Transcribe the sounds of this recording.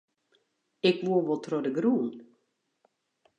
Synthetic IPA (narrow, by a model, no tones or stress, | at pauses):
ɪkʋuəʋɔlˠtʰrɔdəɡruːn